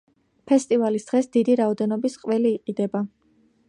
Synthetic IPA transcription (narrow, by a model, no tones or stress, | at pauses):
pʰɛst̪ʼivalisd̪̥ʁɛsd̪id̪iɾaɔd̪ɛnɔbisqʼwɛliːqʼid̪ɛba